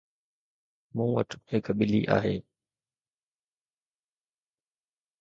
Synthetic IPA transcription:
mũːʋəʈʰhɪkʰɓɪliʔa̰ːɦeː

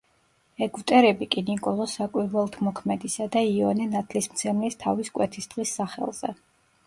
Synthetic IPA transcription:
ɛɡuvt̪ʼɛɾɛbikʼinikʼɔlˠɔsakʼwiɾvɛlˠt̪ʰmɔkʰmɛd̪isad̪aiɔnɛnat̪ʰlismt̪sʰɛmlist̪ʰaviskʼwɛt̪ʰisd̪̥ʁisːaχɛ̰lˠz̥ɛ̰

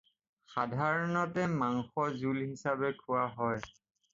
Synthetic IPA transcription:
xadʱaɹɔnɔtɛmaŋxɔzulɦisabɛkʰuwaɦɔj

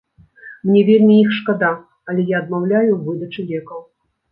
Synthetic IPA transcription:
mnʲɛvʲelʲmʲiixʂkad̪a | ɐlʲɛjaːd̪̚mawlʲajuvɨd̪ɐt͡ʂɨlʲɛkɐw

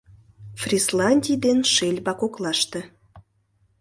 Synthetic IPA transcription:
frʲislɑnʲdʲijd̪enʃelʲbɑkoklɑʃt̪e

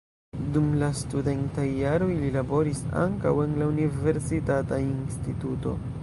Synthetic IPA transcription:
dumlastude̞ntajːaɾo̞jlilabo̞ɾisa̰ŋka̰we̞nlaunive̞ɾsitatainstituto̞̰

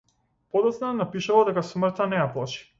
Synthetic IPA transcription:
pɔd̪ɔt̪snanapiʃuvad̪ɛkasmɾt̪anɛjaplˠaʃi̥

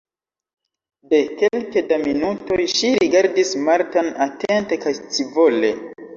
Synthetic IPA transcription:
de̞ke̞lkedaminuto̞jʃiɾiɡaɾdismaɾtanate̞nte̞kajt͡sivo̞le̞

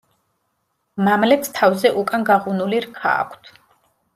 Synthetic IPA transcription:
mamlɛpst̪ʰavzɛʔukʼanɡaʁunuliɾkʰa̰ːkʷʰt̪ʰ

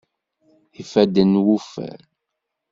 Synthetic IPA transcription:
ifæd̪ənwufæ̰ɾ

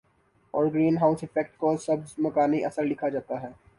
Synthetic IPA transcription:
ɔːɾɡɾiːnɦaːʊsɪfɛk̚ʈkoːsɐbmɐkaːniʔɐsəɾlɪkʰad͡ʒaːt̪aɦɛː

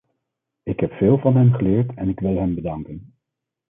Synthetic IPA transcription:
ɪkɦɛpfeːlˠvɑnɦɛmχəlɪːɹtɛnɪkʋɪlˠɦɛmbədɑŋkən

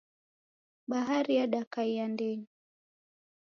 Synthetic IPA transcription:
ɓaɦaɾijaɗakaiandɛɲi

